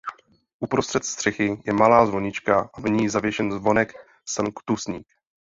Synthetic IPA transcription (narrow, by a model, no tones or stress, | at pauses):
ʔupɾost̪r̥ɛt̪st̪r̝̥ɛxɪjɛmalaːzvo̞ɲɪt͡ʃkaʔavɲiːzavjɛʃɛnzvo̞nɛk | sankt̪usɲiːk